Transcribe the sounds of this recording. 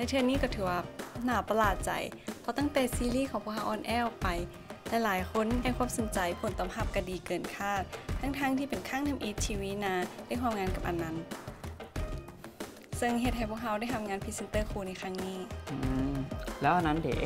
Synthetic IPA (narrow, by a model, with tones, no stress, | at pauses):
lɛ˧˥t̪ʰɯ˧ə˨niː˥˩˨kɔː˧˩t̪ʰɯː˨˩˦waː˧˩naː˧˩pa˧laː˨˩t̪̚t͡ɕa̰˨˩jpʰɔ˧t̪a˧˥˩ŋt̪ɛː˨˩siː˧˦liː˧˥˨kʰɔː˨˦ŋpʰu˧˩əha˧˩ʔɔː˧˩nʔɛː˧˥˨pa˨˩j | lɛ˧˥laː˨˦jkʰo˧˥˨nda˧˨kʰwaː˧˥˨mso˨˦nt͡ɕa˨jpʰo˨˩˦nt̪ɔː˧˩mɦa˧˩p̚ka˧˩diː˨˩kɤː˨˩nkʰaː˥˩t̪̚ʰːa˧˥ŋt̪ʰaː˥˨ŋt̪ʰiː˧pe˨˩nkʰaː˥˨ŋt̪ʰa˧mʔiː˧˥t̪̚t͡ɕʰiː˧wiː˧˥naː˧˥la˧˥˨jkʰwaː˧˥˨mŋaː˧˥nka˨˧˩p̚ʔa˨nːa˧˥n | sɤ˧ŋɦe˧t̪̚ha˨˩jpʰu˧˩ək̚ha˧˥wda˧˥˨jt̪ʰmŋaː˧˥npʰi˧se˧nt̪ɤː˧˥˩kʰuː˧˩na˧jxʰa˧˥˨ŋniː˧˥˩ʔɯ˧˩lɛː˦˥wʔa˨˧˨nːa˧˥˨ndḛ˨˦